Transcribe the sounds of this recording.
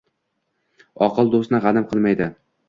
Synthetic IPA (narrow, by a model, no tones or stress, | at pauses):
ɒqʰɨlˠd̪osnɪʁɑnɪmqʰɨlˠmajd̪ɪ